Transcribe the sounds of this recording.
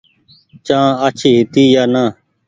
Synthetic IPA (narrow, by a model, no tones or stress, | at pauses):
t͡ʃãːət͡ʃʰiːɦɪt̪iːjaːnaː